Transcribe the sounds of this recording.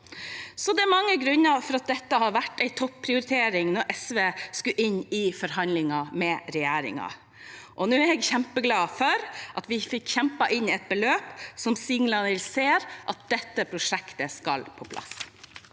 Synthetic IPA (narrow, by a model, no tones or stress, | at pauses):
sɔd̪ɛæɾmɑŋːəɡɾʉnːɑfɔɾɑt̪̚d̪ɛt̪ːəhɑɾʋæʈːæɪt̪ʰɔpːpʰːɾɪʊɾɪt̪ʰeːɾɪŋnɔɾʔɛsʋeːskʉʔɪnːɪfɔɾɦɑnlɪŋɑmɛɾɛjæːɾɪ̰ŋɑ̰ | ʔɔnʉːæɾɛɡçæmpəɡlɑːfœɾʔɑt̪ʋɪfɪkːçɛmpɑʔɪnːɪɛt̪̚bəløːpsɔmsiːn̩lɑnɪlseːɾʔɑt̪̚d̪̥ɛt̪ːəpʰɾʊʂɛkt̪əskɑ̰lpʰɔpʰlʔɑ̰s